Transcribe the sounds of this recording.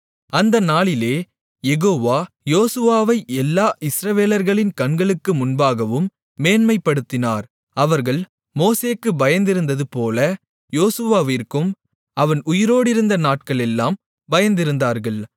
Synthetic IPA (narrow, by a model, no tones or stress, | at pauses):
ɐnd̪ɐnaːɭɪleː | jɛɣoːʋaː | joːsɯʋaːʋɐɪɛlːaːʔɪsɾɐʋeːlɐɾɣɐɭɪnkɐɳɡɐɭɯkːɯmʊnbaːɣɐʋɯmː | eːnmɐɪpːɐɽɯt̪ːɪnaːɾ | ɐʋɐɾɣɐɭ | moːseːkːɯbɐjɐnd̪ɪɾɯnd̪ɐðɯpoːlɐ | joːsɯʋaːʋɪɾkɯm | ɐʋɐnʊjɪɾoːɽɪɾɯnd̪ɐnaːʈ̚kɐɭɛlːaːm | bɐjɐnd̪ɪɾɯnd̪aːɾɣɐɭ